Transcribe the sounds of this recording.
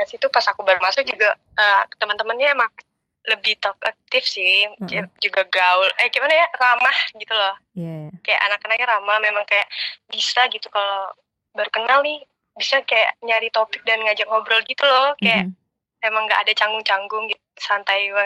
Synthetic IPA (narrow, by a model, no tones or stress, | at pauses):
asit̪upasakubaɾumasʊk̚d͡ʒuɡa | ət̪əmənt̪əmənɲaemaŋ̚ | ləbɪht̪ɔk̚ak̚t̪ɪfsɪ | d͡ʒuɡaɡaʊləhɡimanajaramahɡit̪ulɔh | kaja̰ʔa̰nakːanaɡaɾamahmemaŋkajaʔbisaɡit̪ukalo | baɾukənalnɪh | bisakaja̰ʔɲaɾit̪opɪk̚danŋad͡ʒaŋobɾəlɡit̪ulɔkajaʔ | emaŋɡaʔːdat͡ʃaŋɡʊŋt͡ʃaŋɡʊŋɡit̪̚usant̪ajwa